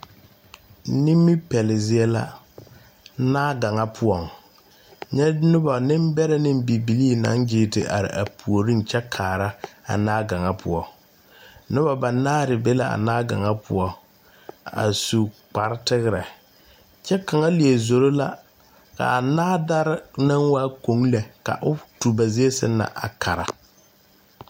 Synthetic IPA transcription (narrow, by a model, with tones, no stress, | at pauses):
ni˦mːɪ˦pɛ˨lɪ˨zɪ˦ɛ˦la̰˦ | naː˦ɡa˨ŋa˦pʰʊ˦ɔ˨ŋ | ɲɛ˦nʊ˦ba˨nɪ˦mbɛ˦ɾɛ˦nɪ˦m˦bi˨bi˨liː˦na̰˦nd͡ʒɪː˦tɪ̰˨ʔa̰˨ɾɪ̰˨ʔa˨pu˨o˨ɾi˦n˨t͡ʃɛ˦kʰaː˨ɾa˦a̰˨naː˦ɡa˨ŋa˦pʰʊ̰˦ɔ˦ | nʊ˦ba˨ba˨naː˦ɾɪ˨be˦la˦a̰˨naː˦ɡa̰˨ŋa˦pʰʊ˨ɔ˦ | a̰˨su˨k͡pa˨ɾɪ˦tɪ˦ɣɾɛ˨ | t͡ʃɛ˦ka˨ŋa˦li˨e˨zo˨ɾo˦la˦ | ka̰˨a˨naː˦da˦ɾɪ˦na˦ŋwaː˦ko˨˦ŋlɛ˨ka̰˨ʔʊ˦tu˨ba˨ze˦e˦sɪ̰˦na̰˨ʔa˨kʰa˨ɾa̰˨